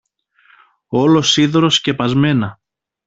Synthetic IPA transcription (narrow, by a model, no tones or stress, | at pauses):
o̞lo̞siðoɾosce̞pɐzme̞nɐ